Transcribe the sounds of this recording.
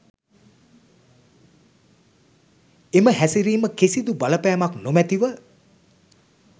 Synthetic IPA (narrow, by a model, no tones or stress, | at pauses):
eməɦæsiɾiːməkesid̪ubaləpæːmaknomæt̪iʋə